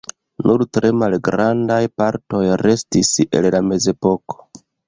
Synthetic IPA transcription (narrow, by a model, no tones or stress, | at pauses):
nuɾtɾʔe̞malɡɾandajpaɾto̞jɾe̞stisḛllame̞ze̞po̞ko̥